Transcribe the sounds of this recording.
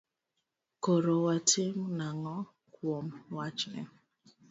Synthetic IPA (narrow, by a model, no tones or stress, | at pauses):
koɾowatemnaŋɔ | kwomwat͡ʃnḛ